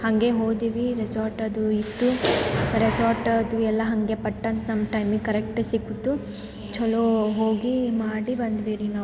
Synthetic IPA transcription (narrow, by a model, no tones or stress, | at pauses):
hɐŋɡe̞ɦo̞ːɡd̪iʋiɾesaːɾʈɐd̪uit̪ːuɾesaːɾʈɐd̪uɛlːɐɦɐŋɡepɐʈːɐnt̪ɐnɐmːɐʈɐjmikɐɾek̚ʈsiɡut̪ːu | t͡ʃɔloɦoːɡimaːɽibɐnd̪ʋiːɾinaː